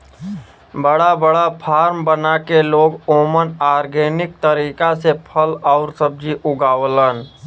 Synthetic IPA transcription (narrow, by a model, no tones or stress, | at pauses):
bəɽabəɽapʰaːɾmbənakeloːɡoːmənaːɾɡeːnɪk̚t̪əɾiːkasepʰəlɔʊɾsəb̚d͡ʒiʔʊɡaːwlən